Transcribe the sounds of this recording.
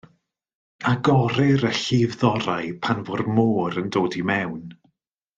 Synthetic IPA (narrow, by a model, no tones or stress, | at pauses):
aɡɔɾɪɾəɬivðɔɾajpʰanvʊrmoːɾəndoːdimɛwn